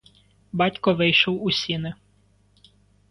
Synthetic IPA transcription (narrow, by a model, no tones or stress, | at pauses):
bɑtʲkɔʋɪjʃɔwʊsʲinɪ